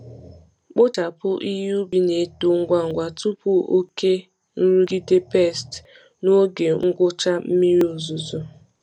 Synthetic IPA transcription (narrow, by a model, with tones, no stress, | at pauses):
k͡po˦ta˨pʊ˦ʔi˦ɦu˦bi˦ne˨to˨ŋ̩˦ɡʷa˦ŋ̩˨ɡʷa˨tu˦pu˦o˦ke˦ | n̩˦ɾu˦ɡi˦de˦pe˦˨st | no˦ɡe˨ŋ̩˦ɡʊ˦t͡ʃa˦m̩˦mi˦ɾi˦o˨zu˨zo˨